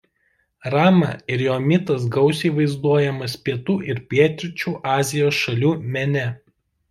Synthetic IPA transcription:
ɾɑːmɐ̰ɪɾjoːmʲɪt̪ɐsɡɒʊsʲiːʋɐɪzd̪uɔjɛmɐspʲiɛt̪uːʔɪɾpʲiɛt̪ʲɾʲɪt͡ʃʲuːʔɑːzʲɪjoːsʃɐlʲuːmʲɛnʲɛ

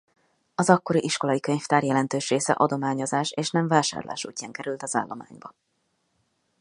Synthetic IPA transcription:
ɒzɒkːo̞ɾiʔiʃko̞lɒjikøɲft̪aːrjɛlɛnt̪øːʃreːsɛ̰ʔɒd̪o̞maːɲo̞zaːʃeːʃnɛɱvaːʃa̰ːrla̰ːʃṵːcːaːŋkɛɾylt̪ɒza̰ːlːo̞ma̰ːɲbɒ

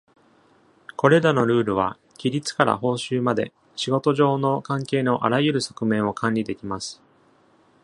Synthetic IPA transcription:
ko̞ɾe̞ɾano̞ɾɯ̟ːɾɯ̟β̞a̰ | kʲiɾʲit͡sɨ̥kaɾa̰ɦo̞ːɕɨːmad̪e̞̰ | ɕiɡo̞t̪o̞ʑo̞ːno̞kãŋke̞ːno̞ʔaɾajɯ̟ɾɯ̟so̞̥kɯ̟mẽ̞ɰ̃o̞kʰãɲʲid̪e̞kʲimasɨ̥

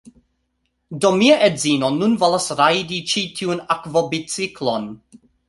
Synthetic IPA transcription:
domiaʔedzinonunvolasɾajdit͡ʃitʰiunakvobit͡siklon

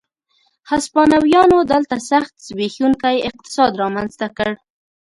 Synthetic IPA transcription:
haspɑnawjɑnod̪əlt̪asaxt̪sbexuŋkajɪq̚t̪ɪ̥sɑd̪ɾɑmanzt̪akəɽ

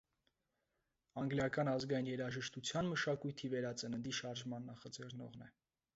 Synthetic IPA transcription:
ɑŋɡljɑkɑnɑzɡɑinjɛɾɑʒəʃt̪ut͡sʰjɑnməʃɑkujt̪ʰivɛɾɑt͡sənənd̪iʃɑɾʒmɑnːɑχɑd͡zɛrnɔ̰ʁnɛ

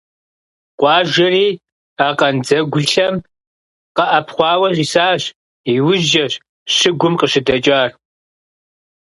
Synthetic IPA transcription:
qʷʼɑːʒɐriː | aːqɐnd͡zɐɡʷʊɬɬɐm | qɐʔɐpʰχʷɑːwɐʑisaːɕ | iwʊʒɐɕ | ɕɪɡʷʊmqəʃɪdɐt͡ʃʼaːr

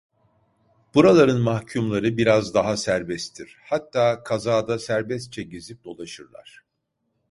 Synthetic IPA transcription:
b̥uɾalˠaɾɯnmahcʰumlˠaɾɯbiɾazd̪aɦasæɾbɛst̪ʰiɾ̥hat̪ʰːaːkʰazaːd̪asæɾbɛst̪̚t͡ʃʰɛɟezip̚d̪o̞lˠaʃɯɾlˠa̰ɾ̥

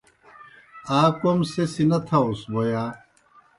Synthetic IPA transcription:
aːkomsesinɐt̪ʰausbojaː

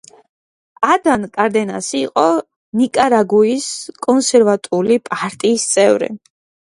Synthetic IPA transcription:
ad̪ankʼaɾd̪ɛna̰siːqʼɔ | nikʼaɾaɡuiskʼɔnsɛɾvat̪ʼulipʼaɾt̪ʼiːst̪sʼɛvɾḭ

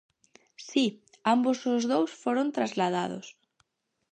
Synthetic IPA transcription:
si | ambosʊzðowsfoɾont̪ɾazlað̞að̞ʊ̰s

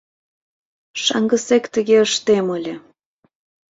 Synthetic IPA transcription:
ʃɑ̰ŋɡəsekt̪əɣeəʃt̪eməlʲe

